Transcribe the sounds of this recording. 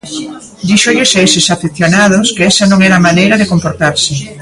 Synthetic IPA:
d̪iʃoʎʊsesɪsafiθjonað̞oskeɛsɐnõŋɛɾɐmanejɾɐðɪkompoɾt̪aɾsɪ

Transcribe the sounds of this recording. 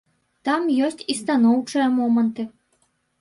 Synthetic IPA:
t̪ɑmjosʲtʲist̪ɑnowt͡ʂɨjɐmɔmənt̪ɨ

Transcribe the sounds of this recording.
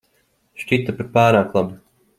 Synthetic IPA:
ʃt͡ʃit̪apaɾpaːɾaːklˠabi

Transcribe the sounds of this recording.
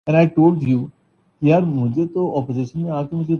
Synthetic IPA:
ɛ̃naɪʈoːlɖjuː | kijaɾmʊ̃d͡ʒʱet̪oɔpozɪʃənmẽaːkemʊ̃d͡ʒʱe

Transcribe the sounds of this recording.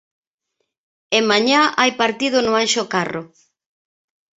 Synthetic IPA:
emaɲaʔajpaɾt̪iðʊnʊanʃokaro

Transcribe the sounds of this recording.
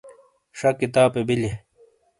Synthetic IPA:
ʂɐkːit̪aːpebile

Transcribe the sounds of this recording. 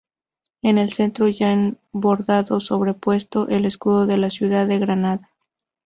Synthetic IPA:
e̞ne̞lse̞nt̪ɾo̞ʝaen | bo̞ɾðaðo̞so̞βɾe̞pwe̞st̪o̞ʔe̞le̞skuðo̞ðe̞lasjuðaðe̞ɣɾanaða

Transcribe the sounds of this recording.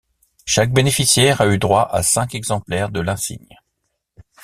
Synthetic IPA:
ʃak̚benefisjɛʁayd̪ʁwaʔa̰sɛ̃kɛɡzɑ̃plɛʁd̪əlɛ̃sḭɲ

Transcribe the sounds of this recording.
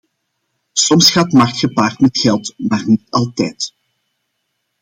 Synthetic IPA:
sɔmsxaːtmɑxtxəpaːrtmɛtxɛlˠtmaːrnitɑlˠtɛːt

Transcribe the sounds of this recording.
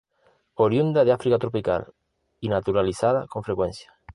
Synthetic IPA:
oɾjund̪aðeafɾikat̪ɾopika̰l | inat̪uɾaliθað̞akoɱfɾekwen̟θjḁ

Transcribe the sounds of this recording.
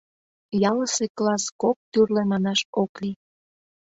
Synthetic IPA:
jɑləseklɑskok̚t̪yrlemɑnɑʃokli

